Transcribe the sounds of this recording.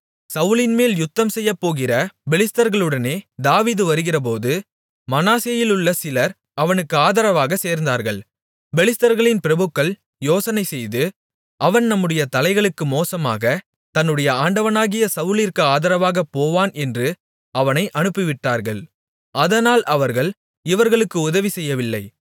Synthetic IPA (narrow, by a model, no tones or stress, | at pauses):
sɐʋɯlɪnmeːljʊt̪ːɐmsɛjːɐpːoːɣɪrɐbɛlɪst̪ɐɾɣɐɭɯɽɐneːd̪aːʋiːðɯʋɐɾɯɣɪrɐp̬oːðɯ | mɐnaːseːjɪlɯɭːɐsɪlɐɾ | ɐʋɐnɯkːɯaːðɐɾɐʋaːɣɐseːɾnd̪aːɾɣɐɭ | bɛlɪst̪ɐɾɣɐɭɪnpɪɾɐbɯkːɐɭ | joːsɐnɐɪsɛjðɯ | ʔɐʋɐnnɐmːɯɽɐjɐt̪ɐlɐɪɣɐɭɯkːɯmoːsɐma̰ːɣɐ | t̪ɐnːɯɽɐjɐaːɳɖɐʋɐnaːɣɪjɐsɐʋɯlɪɾkɯaːðɐɾɐʋaːɣɐpːoːʋaːnɛndrɯ | ɐʋɐnɐɪʔɐnɯpːɪʋɪʈːaːɾɣɐɭ | ɐðɐnaːlʔɐʋɐɾɣɐɭ | ɪʋɐɾɣɐɭɯkːɯʊðɐʋisɛjːɐʋɪlːɐɪ